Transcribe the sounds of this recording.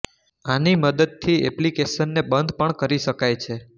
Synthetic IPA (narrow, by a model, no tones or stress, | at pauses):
animəd̪əd̪̚t̪ʰiɛ̰plikeʃənːebənd̪ʱpəɳkəɾiʃəkajt͡ʃʰe